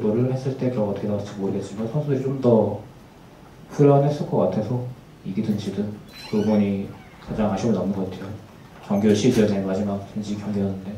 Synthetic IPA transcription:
doɾɯɭhe̞s͈ɯɭt͈e̞kɯɾʌŋɡʌtʰɯkʰeat͡ɕɯmoɾɯɡe̞tt͡ɕ͈imansʰʌŋsʰudɯɾit͡ɕomdʌ | ɸuɾʌanɦes͈ɯɭk͈ʌk͈atʰe̞sʰʌ | iɡidɯnd͡ʑidɯntoɡʌɲi | kad͡ʑaŋɦaɕʰiɡonamɯnŋɡʌk͈atʰejo | kjʌŋɡjoɭɕʰid͡ʑʌne̞mad͡ʑimak̚t͡ɕind͡ʑikjʌŋɡiʌnːɯnde̞

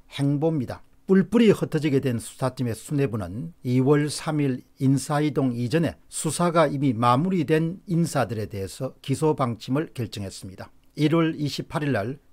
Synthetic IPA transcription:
he̞ŋbomɲida̰ | p͈uɭp͈uɾihʌtʰʌd͡ʑiɡe̞dwensʰu̥sʰat͡ɕ͈ime̞sʰune̞bunɯ̰niwʌɭsʰamiɾinsʰaidoŋid͡ʑʌne̞̰ | sʰusʰaɡaimimamuɾidwe̞ninsʰadɯɾe̞de̞ɦesʰʌkisʰobaŋt͡ɕʰimɯɭkjeɭt͡ɕ͈ʌŋɦe̞s͈ɯmɲid̥a | iɾwʌɭiɕʰipʰaɾiɭːaɭ

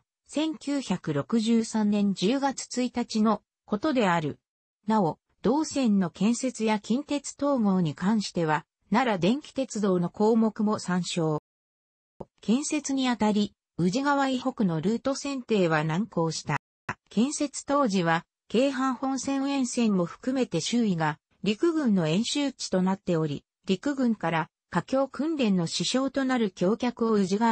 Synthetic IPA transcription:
sẽ̞ŋkʲɨːçakɯ̟ɾo̞kɯ̟ʑɨːsãnːẽ̞ɲ̟d͡ʑɨːɡat͡sɨ̥t͡sɨit̪at͡ɕino̞ | ko̞t̪o̞d̪e̞aɾɯ̟ | nao̞ | d̪̥o̞ːsẽ̞nːo̞kẽ̞ɰ̃se̞t͡sɨjakʲĩnt̪e̞t͡sɨ̥t̪o̞ːɡo̞ːɲ̟ikãɰ̃ɕi̥t̪e̞β̞a | naɾad̪ẽ̞ŋkʲi̥t̪e̞t͡sɨd̪o̞ːno̞ko̞ːmo̞kɯ̟mo̞sãɰ̃ɕo̞ː | kẽ̞ɰ̃se̞t͡sɨɲ̟iat̪aɾʲi | ɯ̟ʑiɡaβaiho̞kɯ̟no̞ɾɯ̟ːt̪o̞sẽ̞nt̪e̞ːβanãŋko̞ːɕi̥t̪a | kẽ̞ɰ̃se̞t͡sɨ̥t̪o̞ːʑiβ̞a | ke̞ːɦãɰ̃hõ̞ñsẽ̞ɰẽ̞ɰ̃sẽ̞mmo̞ɸɯ̟̥kɯ̟me̞t̪e̞ɕɨːiɡa | ɾʲikɯ̟ɡɯ̟̃nːo̞ẽ̞ɰ̃ɕɨːt͡ɕi̥t̪o̞nat̪ːe̞o̞ɾʲḭ | ɾʲikɯ̟ɡɯ̟̃ŋkaɾa | kakʲo̞ːkɯ̟̃nɾʲẽ̞nːo̞ɕiɕo̞ːt̪o̞naɾɯ̟kʲo̞ːkʲakɯ̟oɯ̟ʑiɡa

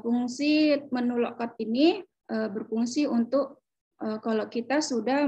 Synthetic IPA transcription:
fuŋsimənulokɔt̪̚ini | ʔəbərfuŋsiunt̪ʊk̚ | əkalokit̪asudah

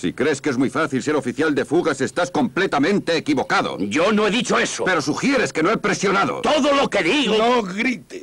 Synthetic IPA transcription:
sḭkɾe̞skeezmujfaθils̬e̞ɾo̞fiθjald̪e̞fuɣase̞st̪asko̞mplet̪amẽnt̪e̞ːkiβo̞kaðo̰ɟ͡ʝonoeðit͡ʃoesope̞ɾo̞suxje̞ɾe̞ske̞noepɾe̞sjo̞naðo̰t̪oðolokeðiɣonoɣɾit̪e

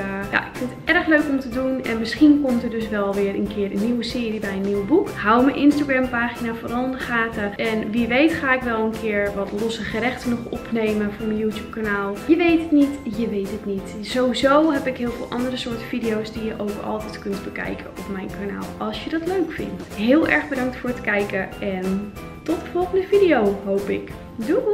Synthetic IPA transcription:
ja̰ʔɪkfɪndətɛrəxløɥkɔmtədunɛ̰nmɪsχinkomtərdøs̬ʋɛlˠʋɪərənkʰɪːərənːiwəsɪːɾibɛjənːiwbukhawməjʔɪnstaɡrɛmpaːxinaforɔlˠɪndəxaːtaʔɛnʋiʋejtχaːɪkʋɛlˠənkʰɪəɹʋɔtlɔsəχəɾɛxtənɔxɔpneːməfʊːɹmənjuːtjuːp̚kanaːlˠjəʋejtətnitjəʋejtətnitsowizowɦɛpɪkɦɪːlˠvɪːlˠʔɑ̰ndərəsʊːɹtəfidijowsdijəʔowkɑ̰lˠtɛjtkɵntbəkɛ̰jkʰəɔpmɛjnkana̰ːlˠɑlˠsjədɔtløɥkfɪ̰ntɦɪːlˠʔɛɹχbədɑŋk̚tfʊːɹtkɛjkəʔɛn | tɔtdəfɔlˠχəndəfidijowɦowpɪk | du

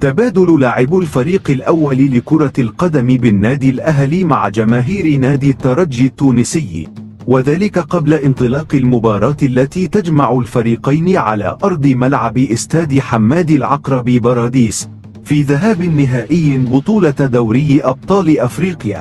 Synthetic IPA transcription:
t̪abaːd̪ʊllaːʕɪbʊlfaɾiːqɪlʔawːallɪkʊɾˤɑlqɑd̪amɪbɪnːaːd̪ɪlʔaɦlimaʕd͡ʒamaːɦiːɾɪnaːd̪it̪ːɑɾˤɑd͡ʒːɪt̪ːuːnɪsɪjː | waðaːlɪkaqɑblaʔɪnt̪ˤɨlɑːqɪlmʊbɑːɾˤɑːt̪lːat̪iːt̪ad͡ʒmaʕʊlfaɾiːqajnɪʕa̰la̰ːʔɑɾˤd̪ˤɨmalʕabɪʔɪst̪aːd̪ɪħamːaːd̪ɪlʕɑqɾˤɑbibɑɾˤɑːd̪iːs | fiːðaɦaːbɪnːɪɦaːʔɪjːbʊt̪ˤuːlɑd̪awɾɪjːʔɑb̚t̪ˤɑːlɪʔafɾiːqja̰ː

